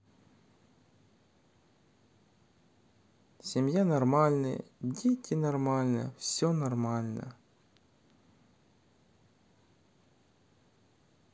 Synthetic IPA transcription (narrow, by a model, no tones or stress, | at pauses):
sʲɪmʲjanɐrmalʲnɨ̰dʲetʲʰɪnɐrmalʲnə̰fsʲonɐrmalʲnə̰